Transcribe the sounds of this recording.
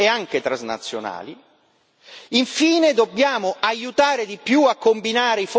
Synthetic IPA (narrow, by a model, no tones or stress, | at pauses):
eaŋk̟et̪ɾazna̰t̪sːjo̰na̰ːli | iɱfiːned̪obːjaːmoʔajut̪aːɾed̪ipjuakːombinaːɾeif